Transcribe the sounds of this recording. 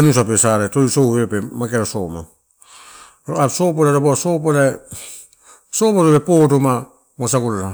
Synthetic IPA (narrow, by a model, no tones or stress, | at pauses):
nusapesaɾetoisohepemakeɾosoma | ɾoasopoɾeɾobosopole | sopoɾopepotoma | mos̬akuɾana